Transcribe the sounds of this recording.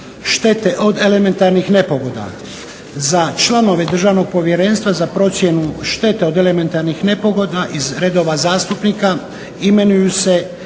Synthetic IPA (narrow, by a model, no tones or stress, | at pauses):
ʃt̪e̞t̪e̞ʔo̞d̪e̞le̞me̞nt̪aɾnixne̞po̞ɡo̞d̪a̰ | zat͡ʃlano̞ʋe̞d̪r̩ʒaʋno̞ɡ̚po̞ʋjeɾe̞ːnst̪ʋazapɾo̞t̪sje̞nuʃt̪e̞t̪e̞o̞d̪ele̞me̞nt̪aɾnixne̞po̞ɡo̞d̪aʔizɾed̪o̞ːʋazaːst̪upnika | ime̞nujuse̞